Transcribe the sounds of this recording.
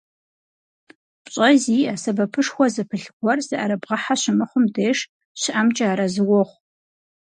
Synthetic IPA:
pʼɕʼɐziːaːsɐbɐpʰɨʂxʷɔzɨpʰɨɬɡʷɔrzɨʔɐɾɐbʁɐħaɕɪmɨχʷʊmdeːʂ | ɕɪʔamt͡ʃʼaaːɾɐzɨwɔχʷ

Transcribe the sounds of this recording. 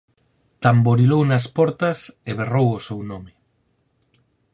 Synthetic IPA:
t̪amboɾilownɐspɔɾt̪ɐseβerowʊsewnomɪ

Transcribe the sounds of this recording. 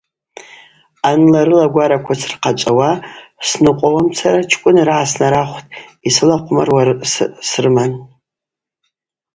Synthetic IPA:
anlaɾɨlaɡʷaɾakʷʰasrqʰat͡ʃʷʼawasnɨqʷʼowamt͡sʰaɾat͡ʃʰkʷʼʊnrʕasnaɾaχʷtʼisɨlaqʷʼʊma̰rwasrɨman

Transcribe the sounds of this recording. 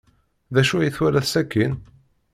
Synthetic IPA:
ðæʃujiθwæɾæθsækːin

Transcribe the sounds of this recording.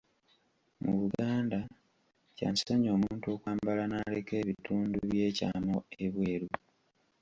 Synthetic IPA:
muβuɡaːnda | ca̰nseɲo̞ːmuːntuo̞kwaːmbalanaleke̞ːβitʰuːnduβjje̞ːca̰ːmo̞eβwe̞ːɾu

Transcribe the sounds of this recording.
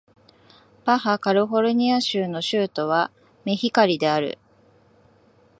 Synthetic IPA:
paɦakaɾɯ̟ɦo̞ɾɯ̟ɲ̟iaɕɨːno̞ɕɨːt̪o̞βa | me̞çikaɾʲid̪e̞aɾɯ̟̰

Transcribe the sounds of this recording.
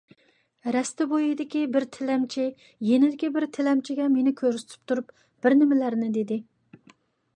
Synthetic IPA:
ɾɛst̪ɪbojid̪ɪkʲibɪɾt̪ʰɪlɛmt͡ʃʰi | jenɪd̪ɪkʲibɪɾt̪ʰɪlɛmt͡ʃʰiɡʲɛmenɪkʲʰøɾsɪ̥t̪ʰy̥p̚t̪ʰuɾup | b̥ɪɾnɪmɪlæɾnɪd̪ed̪ɪ

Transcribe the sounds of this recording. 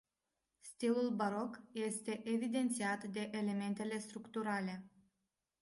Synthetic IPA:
st̪ilulbaɾo̞kje̞st̪e̞ʔevid̪e̞nt̪siat̪d̪e̞ʔele̞me̞nt̪e̞le̞st̪ɾukt̪uɾale̞

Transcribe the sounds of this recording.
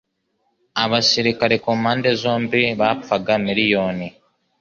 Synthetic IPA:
aβasiɾikaɾe̞komaːnde̞zo̞ːmbiβapaɡamiɾijo̞ːni

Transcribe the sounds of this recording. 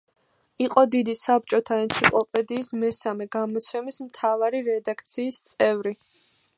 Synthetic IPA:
iqʼɔd̪id̪isap̚t͡ʃʼɔt̪ʰaɛnt̪sʰipʼlˠɔpʼɛd̪iːsmɛsamɛɡamɔt̪sʰɛmismt̪ʰavaɾiɾɛd̪akʰt̪sʰiːst̪sʼɛvɾi

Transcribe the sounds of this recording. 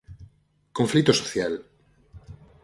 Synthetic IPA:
kõɱflit̪oso̥θjal

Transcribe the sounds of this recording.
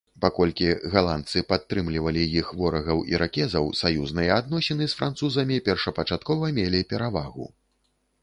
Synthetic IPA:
pakɔlʲkʲiɣalˠant̪sɨpat̪ːɾɨmlʲivɐlʲijixvɔɾɐɣɐwḭɾʔakʲɛzɐwsajuznɨjɛad̪nɔsʲɛnɨsfɾant̪suzɐmʲipʲɛrʂɐpɐt͡ʂat̪kɔvɐmʲelʲipʲɛɾavaɣṵ

